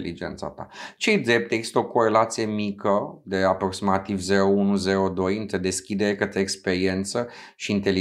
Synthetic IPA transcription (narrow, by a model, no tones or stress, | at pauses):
lid͡ʒent̪sa̰t̪a̰t͡ʃe̞jd̪ɾe̞p̚t̪eɡzi̥st̪əoko̞ɾe̞lat̪sije̞mikəd̪e̞apɾo̞ksimat̪ivze̞ɾounuze̞ɾo̞d̪o̞jɨnt̪ɾe̞d̪e̞skʲid̪e̞ɾekət̪ɾeːkspe̞ɾie̞nt̪sə | ʃiːnt̪e̞li